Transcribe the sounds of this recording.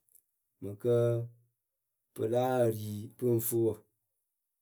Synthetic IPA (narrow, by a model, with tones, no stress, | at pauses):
mə˨kə˦ | pə̰˨la˦˨ɾi˨pɨ˦n̩˦fu˦ə˨